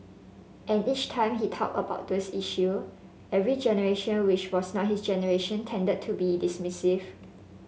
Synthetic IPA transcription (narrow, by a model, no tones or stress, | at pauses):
ʔɛ̃nit͡ʃtʰãɪ̃mɦitʰɔ̰k̚əba̰ʊt̚dosiʃu | ɛvɹid͡ʒɛnəɹeʃə̃nwɪt͡ʃwɔsnɔt̚hisd͡ʒɛnəɹeʃə̃ntʰɛ̃ndəd̚tʰubidismɪsiv